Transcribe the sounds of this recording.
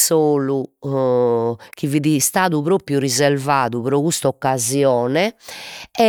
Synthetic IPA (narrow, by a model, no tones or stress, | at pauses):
soːlu | k̟iviðist̪aːðupɾoːpɾjuɾizɛɾvaːðuβɾɔɣust̪aɔkːazjɔːnɛ | ɛ